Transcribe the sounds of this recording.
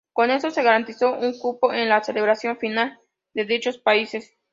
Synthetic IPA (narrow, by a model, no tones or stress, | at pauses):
ko̞ne̞so̞se̞ɣaɾant̪iso̞ʔuŋkupo̞ʔenlaseleβɾasjo̞ɱfinal | d̪e̞ðit͡ʃo̞spaise̞s